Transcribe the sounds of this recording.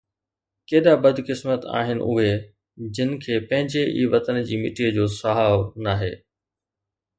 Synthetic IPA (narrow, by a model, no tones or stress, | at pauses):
keːɗabɐd̪ʱkɪsmət̪a̰ːɦɪnɪ̰̆ʔʊ̰ɦe | d͡ʑɪnɪ̆kʰeːpɐ̃ɦɪ̃ɲd͡ʑeʔḭːʋɐt̪ənd͡ʑiːmɪʈʰiəd͡ʑoːsɐɦaːonaːɦeː